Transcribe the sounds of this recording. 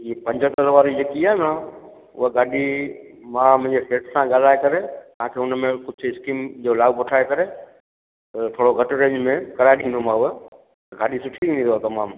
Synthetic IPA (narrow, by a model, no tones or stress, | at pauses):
iepɐ̃ɲd͡ʑʱət̪ɐlʋaːɾid͡ʑekiaːɦena | ʊ̰ɦəɡaːɗi | mãːmʊ̃ɦɪ̃ɲd͡ʑefeːʈsãɠaːl̤aːekɐɾet̪ɐɦãːkʰeːʊnmẽkʊɪskiːmd͡ʑoːlaːɡpʊʈʰaːekɐɾe | ɐt̪ʰoːɽoɡʱɐʈɾẽːɲd͡ʑmẽkɐɾaːeɗĩːn̆d̪omãʊɦe | t̪ɐɡaːɗisʊʈʰiĩnĩnd̪oat̪ɐmaːm